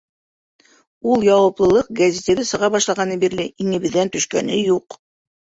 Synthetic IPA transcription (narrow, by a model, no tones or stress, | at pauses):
ulˠjɑwɤ̆plˠɤ̆lˠɤq̚ɡɐzʲet̪eðɘsɤ̆ʁɑbɑʃlˠɑʁɑnibiɾlɘʔiŋɘ̆βɘ̆ðːænt̪ɵ̆ʃkæ̰nɘjuq